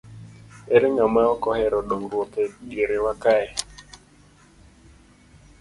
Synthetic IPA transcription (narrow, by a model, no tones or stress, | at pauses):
eɾeŋamaɔkɔhɛɾɔɗoŋɾwot̪eɡeɾewakaɛ